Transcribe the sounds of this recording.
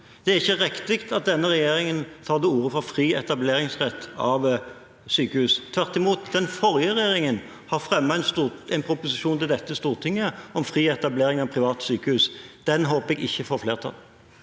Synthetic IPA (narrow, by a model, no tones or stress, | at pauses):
d̪̥ɛæɾɪçːəʁɛkt̪ɪkt̪ɑt̪̚d̪ɛnːəʁɛjeːɾɪŋənt̪ʰɑːʁd̪ɛuːʁəfɾɔfɾiːɛt̪ɑbleːɾɪŋsʁɛt̪ːɑʋ | syːkəhʉːst̪ʰʋæʁt̪ɪmuːt̪d̪ɛnfɔɾjəʁɛjeːɾɪŋən | hɑʁfʁɛmːɑnsuɛɪnpʰɾʊpʊsɪʂuːnt̪ɪld̪ɛt̪ːəst̪uːʁt̪ʰɪŋːəɔmfʁiːɛt̪ɑbleːɾɪŋɑʋpʰʁɪʋɑːt̪syːkəhʉːsd̪̥ɛnɦoːpəɛɡɪçːəfoːɾfleːʁt̪ʰɑ̰l